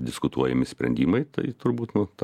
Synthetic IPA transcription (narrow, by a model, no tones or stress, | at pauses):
d̪ʲɪskʊt̪uɔjɛmʲɪsʲpʲɾʲɛ̰nʲd̪ʲiːmɐɪt̪ɐɪt̪ʊɾbuːt̪nʊt̪